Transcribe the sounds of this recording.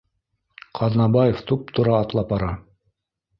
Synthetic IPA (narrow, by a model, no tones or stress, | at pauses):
qʰɑðnɑbɑjeft̪up̚t̪ŏɾɑːt̪lˠɑp̚bɑɾɑ